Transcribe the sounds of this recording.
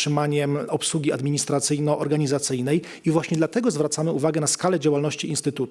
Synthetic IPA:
ɘmaɲɛmɔpswuɡʲiad̪mʲiɲist̪ɾat̪sɘjnɔʔɔɾɡaɲizat̪sɘjnɛj | ivwaɕɲɛd̪lat̪ɛɡɔzvɾat̪samɘuvaɡɛnaskalɛd͡ʑawalnɔɕt͡ɕiinst̪ɘt̪ut̪

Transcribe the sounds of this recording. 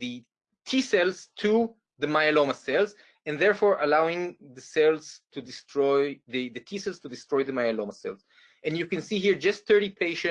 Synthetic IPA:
ðɨ | tʰisɛlztʰu | ðəmajalomasɛlz | ɛ̃nðɛɹfɔɹʔalawɪ̃ŋðəsɛlztʰudɪstʰɹɔjðɨðətʰisɛlztudɪstɹɔjðəmajalomasɛ̰lz | ʔɛ̃njukɛ̃nsihiɹd͡ʒʌst̪θɜ˞ɾipʰeɪʃɛ̃

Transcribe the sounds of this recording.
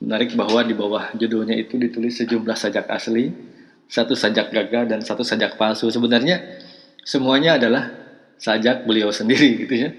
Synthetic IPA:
mənaɾɪk̚baɦwadibawahd͡ʒudoɲait̪udit̪ulɪsːəd͡ʒumlahsad͡ʒaka̰sli | sat̪usad͡ʒak̚ɡaɡadansat̪usad͡ʒak̚palsusəbənarɲa | səmuaɲaːdalah | sad͡ʒak̚bəliawsəndiɾiɡit̪uja

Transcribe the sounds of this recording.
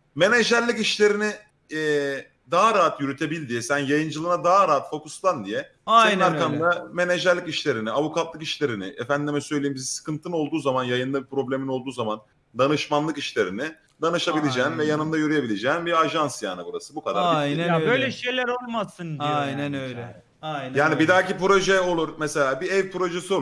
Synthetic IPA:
me̞neʒæɾlʲːikiʃlʲe̞ɾini | d̪aɦaɾaɦat̪jyɾyt̪ʰe̞bilʲd̪ijɛsænjajɯnd͡ʒɯlˠɯnad̪aɦaɾaɦat̪fo̞kuslˠand̪ijɛ | seninaɾkamd̪ame̞neʒæɾlʲːiciʃlʲe̞ɾiniavukʰat̪lˠɯkiʃlʲe̞ɾinɪʔefænd̪d̪imɛsøjlʲeimbizisɯ̥kɯnt̪ʰɯno̞lˠd̪uːzamanjajɯnd̪abipɾo̞blʲe̞minolˠd̪uːzaman | d̪anɯʃmanlˠɯkiʃlʲeɾini | d̪anɯʃabilʲed͡ʒɛːnvɛjanɯnd̪ajyɾyjebilʲed͡ʒɛːnbiaʒansja̰ːnɯbuɾasɯbukad̪a̰ɾɾiabø̞jlʲɛʃejlʲæɾo̞lˠmasɯnd̪iaj̪ɛnøɛ | jjaːnibid̪aːcipɾo̞ʒɛo̞lˠuɾmɛse̞lʲaːbiɛvpɾo̞ʒeso̞

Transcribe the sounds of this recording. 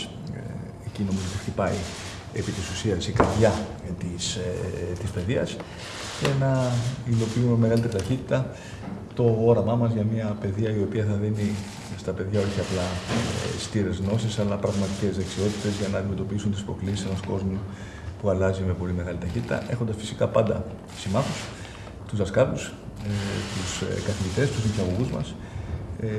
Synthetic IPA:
ecino̞mizo̞t̪ixt̪ipɐi | epit̪isusiɐsikɐɾðʝɐt̪ist̪ispe̞ðiɐs | ce̞nɐilo̞piumeme̞ɣɐlit̪eɾit̪ɐçit̪it̪ɐ | t̪o̞oɾɐmɐmɐzʝɐmɐpe̞ðiɐio̞piɐθɐðini | st̪ɐpe̞ðʝɐo̞çiɐplɐ | st̪iɾe̞zɣno̞sisɐlɐpɾɐɣmɐt̪ice̞zðe̞ksio̞t̪it̪e̞zʝɐnɐːnd̪ime̞t̪o̞piisunt̪ispɾo̞klisisenɐsko̞zmu | puɐlɐzime̞po̞lime̞ɣɐlit̪ɐçit̪i̥t̪ɐ̰ʔe̞xo̞nd̪ɐsfi̥si̥kɐpɐnd̪ɐ̰ | simɐθus | t̪uzðɐskɐt̪us | t̪uskɐθiʝit̪e̞st̪usinθiɐɣo̞ɣuzmɐ̰s

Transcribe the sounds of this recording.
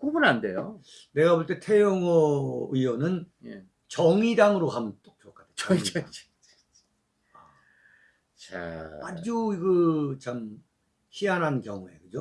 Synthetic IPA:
kobɯnande̞jo | ne̞ɡaboɭt͈e̞tʰe̞joŋʌɯjonɯnje | t͡ɕʌŋidaŋɯɾohamɯnt͈ok̚t͡ɕɯʌk͈ʰadʰet͡ɕ | a | ad͡ʑuiɡɯt͡ɕam | çianɦankjʌŋue̞̰kɯd͡ʑo

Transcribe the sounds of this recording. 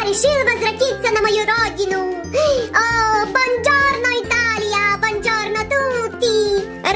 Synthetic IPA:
ɾiʃilʋɐzɾɐkit̪̚sɐnɐmɐjuɾɔːd͡ʒinu | bɐnd͡ʒɔːɾnɔit̪aːlijaːbɐnd͡ʒɔːɾnɐt̪ut̪i | ɾ

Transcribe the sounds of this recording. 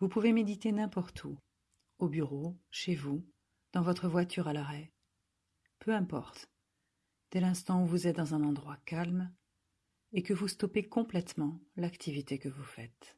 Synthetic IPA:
vupuvemed̪it̪enɛ̃pɔʁt̪ʰu | obyʁoʃevu | d̪̥ɑ̃vɔt̪χəvwat̪ʰyʁalaʁɛ | pʰøɛ̃pɔ̰ʁt̪ | d̪̥ɛlɛ̃st̪ɑ̃uvuzɛt̪̚d̪ɑ̃zɛ̃nɑ̃d̪ʁwakalm | ekəvust̪ɔpekɔ̃plɛt̪mɑ̃lakt̪ʰivit̪ekəvufɛt̪

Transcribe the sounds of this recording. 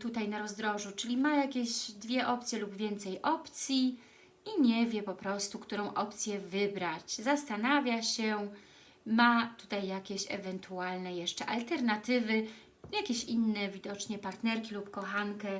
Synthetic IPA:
t̪ut̪ajnaɾɔzd̪ɾɔʐut͡ʂɘlʲimajakʲeʑd̪vʲjɛʔɔp̚t̪sʲjɛlubvʲjɛnt̪sɛjʔɔpt̪sʲji | iɲɛvʲjɛpɔpɾɔst̪ukt̪uɾɔ̃w̃ʔɔpt̪sʲjɛvɘbɾat͡ɕzast̪anavʲjaɕɛ | mat̪ut̪ajːakʲeɕɛ̰vɛnt̪ualnɛjɛʂt͡ʂɛʔalt̪ɛɾnat̪ɘvɘ | jakʲeɕinːɛvʲid̪ɔt͡ʂɲɛpaɾt̪nɛɾkʲilupkɔxaŋkɛ

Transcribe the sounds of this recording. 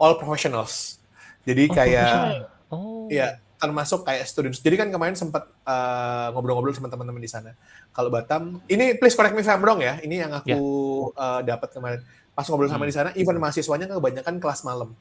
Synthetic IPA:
ʔɔlpɾofeʃɔnals | d͡ʒadikaja | ija | t̪ərmasʊkːajaʔst̪udiɔnsd͡ʒadikankəmaɾɛnsəmpat̪̚əŋobɾɔŋobɾɔlsəmənt̪əmənt̪əməndisana | kalobat̪aminipleskonɛk̚mifɛmbɾɔŋjainijaŋakuəːdapət̪̚kəmaɾɪn | pasʊkŋobɾɔls̬amadisanaʔifarmasisuaɲakkəbaɲakankəlasmaləm

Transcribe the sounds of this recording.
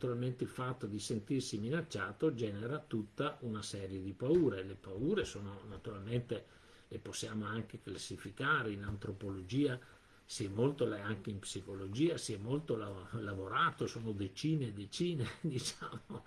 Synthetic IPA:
t̪uɾalment̪eilfat̪ːod̪isent̪irsiminat͡ʃːaːt̪od͡ʒɛːneɾat̪ut̪ːaʔunasɛːɾjed̪ipauːɾelepauːɾesoːnonat̪uɾalment̪e | leposːjaːmoaŋk̟eklasːifikaːɾeinant̪ɾopolod͡ʒiːa | siɛmːolt̪olaaŋk̟eimpsikolod͡ʒiːasiɛmːolt̪olalavoɾaːt̪osoːnod̪et͡ʃiːned̪et͡ʃiːned̪it͡ʃaːmo

